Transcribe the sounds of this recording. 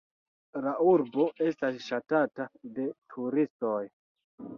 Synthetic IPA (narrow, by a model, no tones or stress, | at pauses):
lauɾbo̞e̞stasʃatatade̞tʰuɾisto̞j